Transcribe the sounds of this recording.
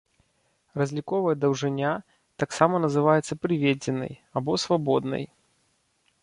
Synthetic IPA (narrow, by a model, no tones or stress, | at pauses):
rɐzʲlʲikɔvɐjɛd̪ɐwʐɨnʲa | t̪aksamɐnɐzɨvajɛt̪sɐpɾɨvʲed͡zʲɪnɐ̰jabɔsvabɔd̪̚nɐ̰j